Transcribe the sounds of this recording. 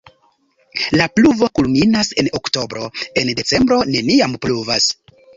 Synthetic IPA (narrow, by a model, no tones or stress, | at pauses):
lapluvo̞kulminase̞nokto̞bɾo̞e̞nde̞t͡se̞mbɾo̞ne̞niampluvas